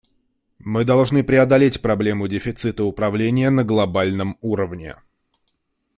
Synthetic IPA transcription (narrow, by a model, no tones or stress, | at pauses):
mɨd̪ɐlˠʐnɨpɾʲɪɐd̪ɐlʲetʲpɾɐblʲe̞mʊdʲɪfʲɪt̪sɨt̪əʊpɾɐvlʲenʲɪjənəɡlˠɐbalʲnəmuɾəvnʲɪ̰